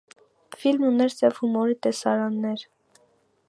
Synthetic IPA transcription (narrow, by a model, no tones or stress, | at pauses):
filmunɛɾt͡sɛvhumɔɾit̪ɛsɑɾɑnːɛɾ